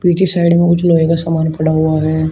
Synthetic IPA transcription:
piːt͡ʃisaːɪɖmẽkʊt͡ʃʰloːeːkasaːmaːnpɐɽaɦuaɦɛː

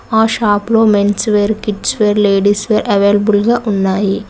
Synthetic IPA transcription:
aːʃaːploːmensʋeːɾkiʈsʋeːɾleːɖiːsʋeːɾʔɐʋeːlɐbulɡaːʔʊnːaːji

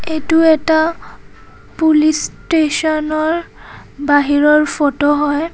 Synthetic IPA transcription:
etuɛta | pulistesɔnɔɹ | baɦiɹɔɹpʰɔtɔɦɔj

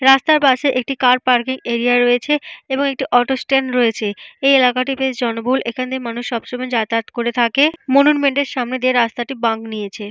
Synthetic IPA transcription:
ɾast̪aɾpaʃeʔek̚ʈikaɾpaɾkiŋeɾiaɾojet͡ɕʰeeboŋek̚ʈiʔɔʈosʈenɾoet͡ɕʰeejelakaʈ̬ipesd͡ʑɔnobʱulʔekʰaned̪eɾmanuʃːɔbʃomajd͡ʑat̪at̪koɾet̪ʰakemonunmeɳʈeɾʃamned̪ieɾast̪aʈibaŋɡnijet͡ɕʰe

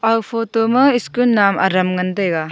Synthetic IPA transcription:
ɐwpʰotomɐiskulnama̰ɾɐmŋɐndɐjɡa

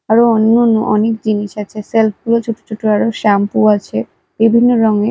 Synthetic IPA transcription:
aɾoonːonːoʔɔnek̚d͡ʑiniʃat͡ɕʰeselp̚ʰɡulot͡ɕʰoʈo̥t͡ɕʰoʈoaɾoʃampuat͡ɕʰe | b̥ibʱinːoɾɔŋe

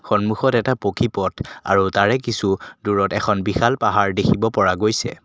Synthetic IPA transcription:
xɔnmuxɔtɛtapokʰipɔtʰa̰ɹutaɹɛkisuduɹɔtɛkʰɔnbixalpaɦaɹdekʰibɔpɔɹaɡojsɛ̰

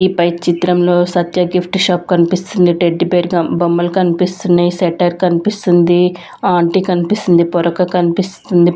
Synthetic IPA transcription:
ipɐjt͡ʃit̪ɾɐmlo̞ːsɐt̪jɐɡipʰʈʃaːp̚kɐnipist̪und̪iʈeɖːipeːɾɡɐbɐmːɐlkɐnipist̪unːɐjisɛʈɐɾkɐnipist̪und̪i | aːɳʈikɐnipist̪und̪ipɔɾɐkɐkɐnipist̪und̪i

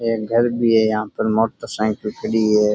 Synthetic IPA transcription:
eːɡʱɐɾbʱiɦɛjɐɦãpɐɾmoːʈəsɛ̃ːŋkəlkəɽiɦɛː

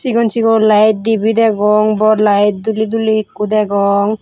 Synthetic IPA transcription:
t͡ʃiɡɔnt͡ʃiɡɔlajt̪̚d̪ibid̪ɛɡɔŋbɔɾlajt̪̚d̪ulid̪ulikːud̪ɛɡɔŋ

